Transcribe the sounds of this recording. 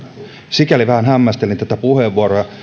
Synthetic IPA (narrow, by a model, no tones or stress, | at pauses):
sikæliʋæhænhæmːæst̪elint̪æt̪æpuheʋːuoɾojɑ